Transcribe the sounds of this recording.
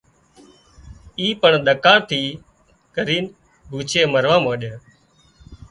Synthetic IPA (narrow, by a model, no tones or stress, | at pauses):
iːpəɳɗ̪əkãːt̪ʰiː | kəɾiːn | bʱuːt͡ʃʰeːməɾʋãːmãːɗə̃ː